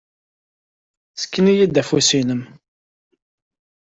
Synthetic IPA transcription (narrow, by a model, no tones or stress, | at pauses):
sə̥kːənijid̪ːæfusinəm